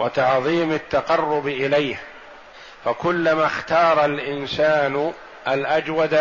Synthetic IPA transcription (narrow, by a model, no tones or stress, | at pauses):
wat̪ɑʕðˤiːmat̪ːaqɑrːʊbʔɪlajh | fakʊlːamaːxt̪ɑːɾˤɑlʔɪnsaːn | alʔad͡ʒwad̪